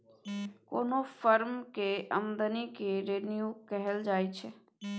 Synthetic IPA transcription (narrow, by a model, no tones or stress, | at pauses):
ko̰ːnofəɾmkeə̰md̪ənikeɾeːnijukɛɦɛld͡ʒaːjt͡ʃʰɛ